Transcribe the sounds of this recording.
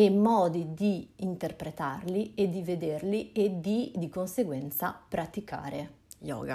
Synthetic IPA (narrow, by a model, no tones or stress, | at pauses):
emːɔːd̪id̪iːnt̪erpɾet̪arlied̪ived̪erlied̪id̪ikonseɡwɛnt̪sapɾat̪ika̰ːɾejɔ̰ːɡa̰